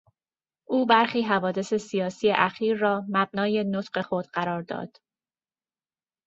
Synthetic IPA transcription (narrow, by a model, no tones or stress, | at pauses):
ʔuːbæɾxiːɦævɒːd̪e̞se̞sijɒːsiːje̞ʔæxiːɾːɒːmæb̚nɒːje̞not̪ʰɢe̞xo̞d̪ɢæɾɒːɾd̪ɒ̰ːd̪̥